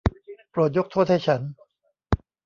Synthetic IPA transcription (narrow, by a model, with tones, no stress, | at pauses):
pɾu˨˩t̪̚jo˦˥k̚t̪ʰoː˥˩t̪̚ha˥˩jt͡ɕʰa˦˥n